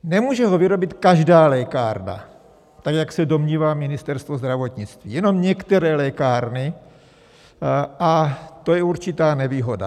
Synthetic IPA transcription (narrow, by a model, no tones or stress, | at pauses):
nɛmuːʒɛɦo̞vɪɾo̞bɪt̪kaʒdaːlɛːkaːɾna̰ | t̪akjaksɛdo̞mɲiːvaːmɪnɪst̪ɛɾst̪vozd̪ɾavo̞t̪ɲɪt͡st̪vḭːjɛno̞mɲɛkt̪ɛɾɛːlɛkaːɾnɪ | ʔat̪o̞jɛuɾt͡ʃɪt̪aːnɛviːɦo̞da̰